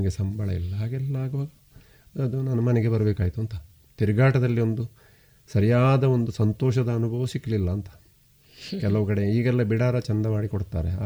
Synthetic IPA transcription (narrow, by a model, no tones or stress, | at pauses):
nɡesɐmbʱɐɭɐ̰ḭlːɐɦaːɡɛlːɐaːɡɐʋaːɡɐː | d̪unɐnːɐmɐneɡe̞bɐɾɐbeːkaːjit̪uɐnt̪ɐ | t̪iɾuɡaːʈɐd̪ɐlːio̞nd̪u | sɐɾijaːd̪ɐo̞nd̪usɐnt̪oːʃɐd̪ɐːnubʱɐʋɐsiklilːɐːnt̪ɐ̥ | kɛlɐʋɐkɐɽeiːɡɛlːɐbiɽaːɾɐt͡ʃɐnd̪ɐmaːɽikoɽt̪a̰ːɾe